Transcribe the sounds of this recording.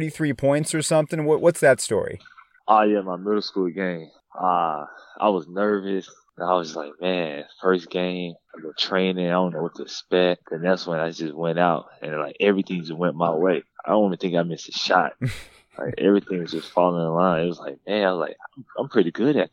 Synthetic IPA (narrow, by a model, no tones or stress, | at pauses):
ɾiθɹipʰɔ̃ɪ̃ntsə˞sʌ̃mθɪ̃ŋwʌʔwʔʌtsðɨtstɔ̰ɹḭ | ʔɑjæmaɪmɪɾl̩ˠskulˠɡẽɪ̃m | ʌʔa̰ɪwʌznɜ˞vɨs | ɨ̃naɪwʌzlaɪk̚mæ̃nfɜ˞sɡ̥ẽɪ̃maɪbɨ̃ntʰɹ̥ẽɪ̃nɪ̃ŋaɪɾõʊ̃nːoʊwʌt̪ʰɨspɛt̚ðɨnɛkst̚wʌ̃naɪd͡ʒʌst̚wɛ̃ñaʊt̚ɨ̰̃nla̰ɪkɛvɹiθɪ̃ŋd͡ʒʌswɛ̃nmaɪweɪaɪdõ̰ʊ̃nʌvɨn̩θɪ̃ŋkaɪmɪsɨʃɑ̰t̚ | la̰ɪkɛ̰vɹiθɪ̃ŋwʌzd͡ʒʌstfɑlˠɪ̃ŋəlãɪ̃nɪt̚wʌzlaɪk̚mæ̃naɪʌzlaɪkãɪ̃mãɪ̃mpʰɹ̥ɪɾiɡʊɾɨ